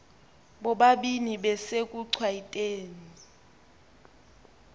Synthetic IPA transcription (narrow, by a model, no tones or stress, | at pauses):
ɓɔɓaɓiniɓɛsek̬ʼuǀʰwaitʼeːni